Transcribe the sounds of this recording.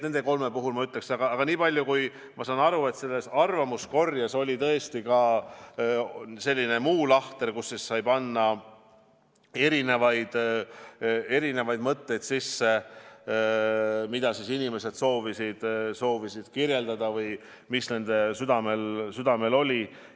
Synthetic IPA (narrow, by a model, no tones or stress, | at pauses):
ne̞nd̪e̞ko̞lme̞puɦulmɑyt̪leksiɑɡ̥ɑɑɡ̥ɑniːpɑlʲjukuj | mɑsɑːnɑɾue̞t̪se̞lːe̞sɑrvɑmusko̞rjɑso̞lʲit̪ɤest̪ikɑ | se̞lʲːine̞muːlɑht̪e̞rkusːissɑjbɑnːɑ | e̞ɾine̞vɑjd̪̥ | e̞ɾine̞vɑjd̪̚mɤt̪ːe̞jd̪̥sisːe̞ | mid̪̥ɑsisinime̞se̞d̪̥so̞ːvisid̪̥so̞ːvisid̪̥kirjeld̪ɑd̪̥ɑvɯj | misne̞nd̪̥e̞syd̪̥ɑme̞lsyd̪̥ɑme̞lo̞lʲi